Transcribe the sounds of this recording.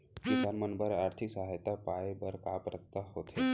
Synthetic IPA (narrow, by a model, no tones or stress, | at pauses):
kɪsanmənbəɾaːɾt̪ʰɪksəɦajt̪apaːebɐɾkaːpɾəkt̪aɦoːt̪ʰɦeː